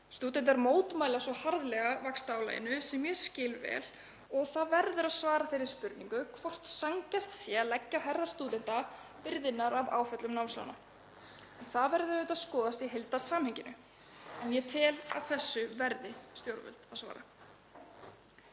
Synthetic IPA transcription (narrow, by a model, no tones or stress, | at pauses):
st̪uːt̪̬ɛnt̪ɛɾmoːwt̪maːjlasɔhaɾðlɛɣavakst̪aːwla̰jɪ̰nʏsɛmjɛ̥scɪːlvɛ̰ːl | ɔɣθaðvɛɾðʏɾaðsvaːɾaθejɾɪɾ̥spʏɾt̪nĩŋkʏkʰvɔr̥t̪saŋcast̪sjɛalɛcːaɦɛɾðaɾ̥st̪uːt̪ɛnt̪a | pɪɾðɪnːaɾava̰ːwfœt̪lʏmnawnsla̰wna̰ | ɛnθavɛɾðʏɾʏt̪aðskɔːðast̪iɦejlt̪ḁsaːmhɛɲcɪnʏ̰ | ɛnjɛt̪ʰɪːla̰ðθɛsːʏvɛɾðɪst̪jowɾvʏ̰lt̪aðsva̰ːɾa̰